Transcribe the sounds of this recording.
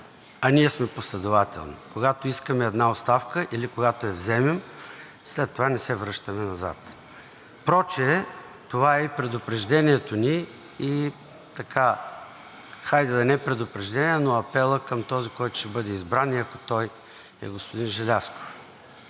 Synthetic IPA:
ɐniɛsmɛposlɛd̪ʊvat̪ɛ̰lˠnikoɡat̪oiskəmɛɛd̪naot̪st̪afkəʔilikoɡat̪oɛvzɛmɛm | slɛt̪ːovanɛsɛvɾɤʃt̪ɐmɛnɐza̰t̪ | pɾɔt͡ʃɛ | t̪ovaɛipɾɛd̪ʊpɾɛʒd̪ɛniɛt̪oni | i | t̪ɐkʰa | xajd̪ɛd̪ɐnɛpɾɛd̪ʊpɾɛʒd̪ɛniɛnoɐpɛlˠəkəmt̪ɔzikɔjt̪ʊ̥ʃɛbɤd̪ɛizbɾaniɐkot̪ɔj | ɛ̰ɡospʊd̪inʒɛlʲasko̥f

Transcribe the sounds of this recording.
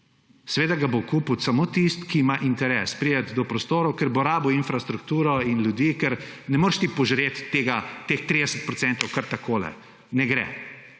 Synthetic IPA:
sɛʋeːd̪aɡabokuːput̪samoːt̪ist̪kimaʔint̪ɛɾɛːspɾiːjɛt̪d̪ɔpɾɔst̪oːɾɔwkɛɾboɾaːbuinfɾast̪ɾukt̪uːɾɔinljud̪iːkɛɾnɛmoːɾʃt̪ipɔʒɾeːt̪ːeːɡat̪eːxt̪ɾid̪ɛsət̪̚pɾɔsɛnt̪ɔwkɐɾt̪akoːlɛ̰ | nɛɡɾɛ̰

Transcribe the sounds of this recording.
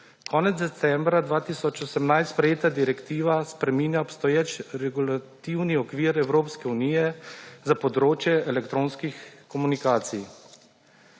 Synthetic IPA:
kʰɔːnɛt̪zd̪ɛt̪sɛmbɾad̪ʋaːt̪iːsɔt͡ʃɔsɛmnajst̪spɾɛjeːt̪ad̪iɾɛkt̪iːʋaspɾɛmiːnjaɔpst̪ɔjeːt͡ʃɾɛɡulat̪iwniɔkʋiːɾɛwɾoːpskɛuniːjɛzapɔd̪ɾoːt͡ʃjɛʔɛlɛkt̪ɾoːnskixkɔmunikaːt̪sḭj

